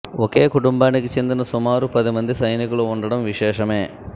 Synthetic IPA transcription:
ɔke̞ːkuʈumbaːnikit͡ʃe̞nd̪inɐsumaːɾupɐd̪imɐnd̪isɐjnikuluuɳɖɐɽɐmʋiʃɛːʃɐme̞ː

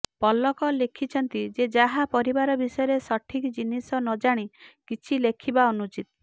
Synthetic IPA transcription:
pɔlɔkɔlekʰit͡ʃʰɔnt̪id͡ʒed͡ʒaɦapɔɾibaɾɔbisɔjɔɾesɔʈʰikd͡ʒinisɔnɔd͡ʒaɽ̃ikit͡ʃʰilekʰibaɔnut͡ʃit̪ɔ

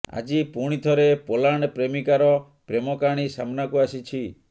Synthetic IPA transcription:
a̰d͡ʒipuɽ̃it̪ʰɔɾepolaɳ̃pɾemikaɾɔ | pɾemɔkaɽ̃isamnakuasit͡ʃʰi

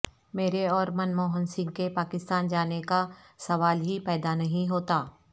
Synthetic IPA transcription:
meːɾeɔːɾmɐnmoːɦənsɪ̃ŋɡ̚kepaːkɪst̪aːnd͡ʒaːneka | sɐʋaːlɦipɛːd̪anɐɦĩɦoːt̪aː

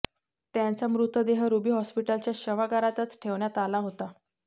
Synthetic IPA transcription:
t̪jãnt͡samɾut̪ʋəd̪eɦəɾubiːɦɔspiʈəlt͡ɕjaɕəʋaɡaɾat̪ət͡sʈʰeʋɳjat̪alaɦot̪a

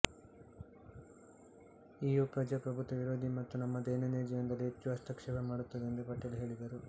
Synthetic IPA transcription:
iːjupɾɐd͡ʒapɾɐbʱut̪ʋɐʋiɾo̞ːd̪ʱimɐt̪ːunɐmːɐd̪ɛːnɐneːd͡ʒɐjɐnd̪ɐlːiet͡ʃːuaːst̪ɐkʂɛʋɐmaːɽut̪ːɐd̪end̪epɐʈːɐluɦe̞ːɭid̪ɐɾu

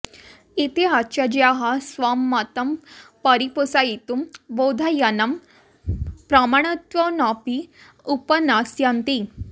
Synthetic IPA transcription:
it̪eat͡ɕad͡ʑiaɦasʋamːat̪əmpəɾipəsajit̪umbod̪ʱajanam | pɾamaɽ̃t̪ʋɔnapi | upənasjant̪i

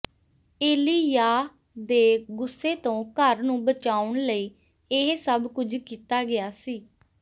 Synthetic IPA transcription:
eːliːjaː | d̪eːɡʊsːeːt̪õːkəɾnũːbət͡ʃaːʊɳləiː | ɪɦsəbkʊd͡ʒkiːt̪aːɡɪaːsiː

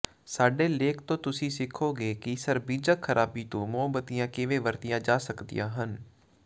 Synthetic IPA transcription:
saːɖeːleːkʰt̪õːt̪ʊsĩːsɪkʰoːɡeːkisəɾbiːd͡ʒəkʰːəɾʔaːbiːt̪õːmʊəbət̪ijãːkɪʋeːʋəɾt̪ijãːd͡ʒaːsəkd̪ḭjãːɦən

